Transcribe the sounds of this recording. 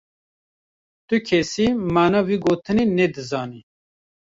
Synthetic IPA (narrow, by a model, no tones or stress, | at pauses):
t̪ukʰɛsimaːnɑwiɡoːt̪ɨninɛd̪ɨzɑːni